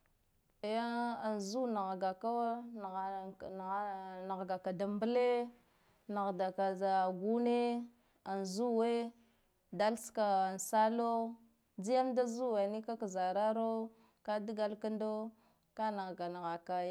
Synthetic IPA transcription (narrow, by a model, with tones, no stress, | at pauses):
ja˦a˨nzu˦na˨ɣɡa˨ka˦wa˦˨ | na˨ɣɡa˨ka˨da˨mbə˦le˦ | na˨ɣda˨ka˨za˨ɡu˦ne˦ | a˨nzu˦we˦ | da˦lska˨a˨n˨sa˦lo˦ | d͡zi˦ja˦mda˦zu˦we˨ni˦ka˦ka˨za˨ɾa˦ɾo˦ | ka˦di˦ɡa˦lka˦ndo˦ | ka˦na˨ɣɡa˨na˨ɣa˨ka˨˦